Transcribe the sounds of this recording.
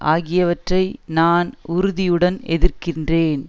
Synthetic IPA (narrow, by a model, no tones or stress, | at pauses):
ʔa̰ːɣɪjɐʋɐʈrɐɪnaːnʊɾʊðɪjɯɽɐnɛðɪrkɪndreːn